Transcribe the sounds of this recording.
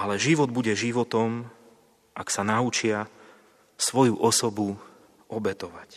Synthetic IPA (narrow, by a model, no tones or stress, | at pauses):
alɛʒiʋɔd̪buɟɛʒiʋɔt̪ɔm | ʔaksanaut͡ʃɪa | sʋɔjuʔɔsɔbu | ɔbɛt̪ɔʋac